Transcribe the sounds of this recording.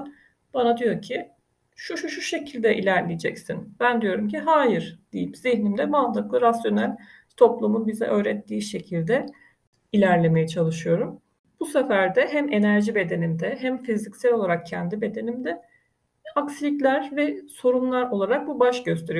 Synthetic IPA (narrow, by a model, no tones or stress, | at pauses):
b̥anad̪ijo̞ɾcʰi | ʃuʃuʃuʃe̞cʰilʲd̪ɛʔḭlʲæɾlʲijed͡ʒɛcsinbænd̪ijo̞ɾumcʰiɦaːjiɾd̪̥ijipz̥içnimd̪ɛmazlɯklˠɯɾasjo̞nælʲ | t̪ʰo̞plˠumunbizɛ̰ʔø̞ːɾɛt̪ʰːiːʃe̞cʰilʲd̪ɛ | ilʲæɾlʲe̞me̞jɛt͡ʃʰalˠɯʃɯjo̞ɾum | b̥usefæɾd̪ɛɦæme̞næɾʒibe̞d̪e̞nimd̪ɛɦæmfizicsælʲo̞lˠaɾak̚cʰɛnd̪ibe̞d̪e̞nimd̪ɛ | aksilʲiclʲæɾvɛso̞ɾumlˠaɾo̞lˠaɾak̚bubaʃɟø̞st̪ʰeɾij